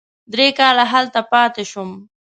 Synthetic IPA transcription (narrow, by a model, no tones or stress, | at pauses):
d̪ɾekɑlaɦalt̪apɑt̪eʃʊm